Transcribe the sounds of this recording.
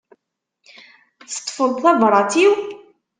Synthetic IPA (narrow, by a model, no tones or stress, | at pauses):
θə̥t̪ˤːfəlθævɾˤɑtiw